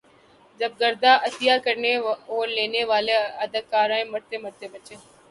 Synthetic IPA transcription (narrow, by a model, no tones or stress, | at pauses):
d͡ʒəb̚ɡəɾd̪aːʔət̪ɪjaːkəɾneːoːɾleːneːʋaːleːəd̪əkaːɾãːẽːməɾt̪eːməɾt̪eːbət͡ʃeː